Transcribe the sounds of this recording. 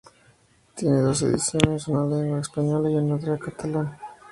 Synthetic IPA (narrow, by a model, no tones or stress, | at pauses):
t̪jeneðo̞s̬ḛðḭsjonesunaleenlaespaɲolaienːoðɾeakat̪ʰalan